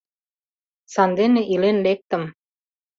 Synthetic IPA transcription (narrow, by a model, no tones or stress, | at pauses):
sɑnd̪eneʔilenlek̚t̪ə̆m